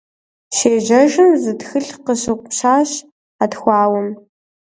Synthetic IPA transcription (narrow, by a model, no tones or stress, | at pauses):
ʃeːʒɐʒɨmzɨtxɨɬqəɕɨqʷɕaːɕ | atxʷɑːwʊm